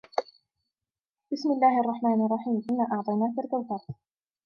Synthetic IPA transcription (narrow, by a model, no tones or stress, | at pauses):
b̥ɪsmɪlːaːhʔɑrˤːɑħmaːnʔɑrˤːɑħiːmʔɪnːaːʔɑʕt̪ˤɑjnaːkalkawk̪aːt̪